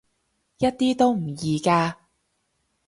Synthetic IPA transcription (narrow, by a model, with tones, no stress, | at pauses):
jɐ˥t̚t̪iː˥t̪o˥wm̩˨˩jiː˨kaː˧